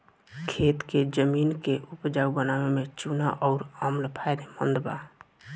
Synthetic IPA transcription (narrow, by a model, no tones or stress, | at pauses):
kʰet̪ked͡ʒəminkeʔupd͡ʒaubənawemẽt͡ʃunaʔɔːɾəmləpʰaɪjd̪emə̰nd̪ba̰